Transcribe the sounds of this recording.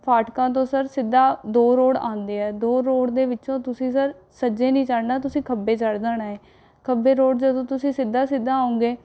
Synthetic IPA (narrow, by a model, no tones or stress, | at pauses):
pʰaːʈkãːt̪̬õːsəɾsɪd̪ːaːd̪oːɾoːɽã̰ːnd̪eːɛːd̪oːɾoːɽd̪eːʋɪt͡ʃõːt̪ʊsĩːsəɾ | səd͡ʒeːnĩːt͡ʃaɽnaːt̪ʊsĩːkʰəbeːt͡ʃəɽd̪aːnaːeː | kʰəbeːɾoːɽd͡ʒəd̪õːt̪ʊsĩːsɪd̪aːsɪd̪aːaːõːŋɡeː